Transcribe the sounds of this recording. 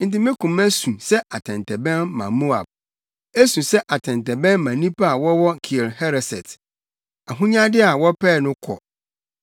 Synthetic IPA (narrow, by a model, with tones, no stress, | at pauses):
n̩˨tɪ˦mɪ̃˦kʰũ˨m˦æ˦sũ˨sɛ˦ʔa˨tʰɛ̃˨ntʰɛ˨bɛ̃˦nːã̰˨mo˦a̰˨b̚ | e˦sũ˨sɛ˦ʔa˨tʰɛ̃˨ntɛ˨bɛ̃˦nmã˨nĩ˦pʰa˦a˨wɔ˦wɔ˦kʰi˨e˨lhɛ˦ɾɛ˨sɛ˨t | a˨ɦũ˦ɲã˦dɪ˦a˨wɔ˦pʰɛː˦˨nʊ̃˦kʰɔ̰˨